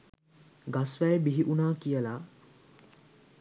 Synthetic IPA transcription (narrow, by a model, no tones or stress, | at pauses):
ɡasʋæjbiɦiʔunaːkijəla